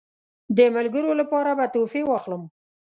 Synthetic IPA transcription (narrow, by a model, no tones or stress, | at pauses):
d̪əmalɡəɾolapɑɾabat̪ofewɑxləm